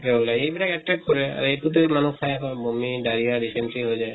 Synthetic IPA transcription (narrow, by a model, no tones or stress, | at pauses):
eulajejbilakɛʈɹɛkkɔɹɛa̰ɹuetʰut̪̬emanukʰajakɔ̃bomidaɹijaɹisɛnʈɹiɦojzaj